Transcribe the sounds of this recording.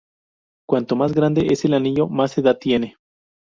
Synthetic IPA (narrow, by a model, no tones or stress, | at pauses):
kwant̪o̞mazɡɾand̪e̞ʔese̞laniʝo̞mase̞ðat̪ːje̞ne